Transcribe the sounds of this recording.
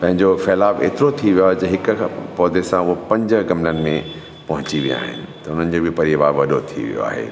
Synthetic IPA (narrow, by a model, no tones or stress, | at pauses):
pɐ̃ɦɪ̃ɲd͡ʑofɛːlaːbḛːt̪ɪɾot̪ʰiʋijoaːɦed͡ʑɐɦɪkpɔːd̪esãʊɦopɐ̃ɲd͡ʑ̆ɡɐmnənɪ̆mẽ | pɐɦʊ̃t͡ɕiʋija̰ːɦɪ̰nɪ̆t̪ɐʊn̤ənɪ̆d͡ʑobɪpɐɾiʋaːɾʋɐɗot̪ʰḭʋḭjo̰a̰ːɦḛː